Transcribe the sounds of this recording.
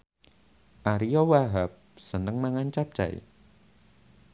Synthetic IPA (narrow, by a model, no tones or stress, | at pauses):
ʔaɾijɔwaɦap̚sənəŋmaŋant͡ʃap̚t͡ʃa̰j̰